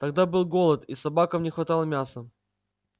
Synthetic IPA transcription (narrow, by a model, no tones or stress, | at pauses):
t̪ɐɡd̪abɨlˠɡo̞lˠət̪isɐbakəmnʲɪxvɐt̪alˠəmʲasə